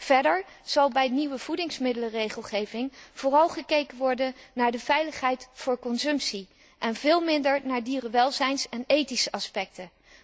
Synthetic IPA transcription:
v̥ɛɹdəɹ | z̥ɑlˠbɛjniwəv̥udɪŋsmɪdələrejχəlˠχejvɪŋv̥ʊːrɑlˠχəkejkənʋɔɹdənnaːɹdəvɛjləχɦɛjtfʊːɹkɔnsɵmpsi | ʔɛnvɪːlˠmɪndəɹnaːɹdiːrəʋɛlˠzɛjnsɛnejtisəʔɑspɛk̚tə

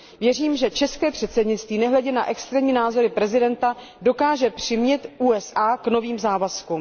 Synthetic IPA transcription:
vjɛr̝iːmʒɛt͡ʃɛskɛːpr̥ɛt̪sɛdɲɪt͡st̪viːnɛɦlɛɟɛna̰ʔɛkst̪ɾɛːɲiːnaːzo̞ɾɪpɾɛzɪdɛnt̪a | do̞kaːʒɛpr̥ɪmɲɛt̪ʔuːɛsʔaːkno̞viːmzaːvasku

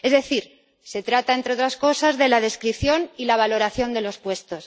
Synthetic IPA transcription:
e̞zðe̞θiɾ | se̞t̪ɾat̪aent̪ɾeo̞t̪ɾasko̞sazðe̞lað̞e̞skɾipθjo̞nilaβ̞alo̞ɾaθjo̞nd̪e̞lo̞spwe̞st̪o̞s

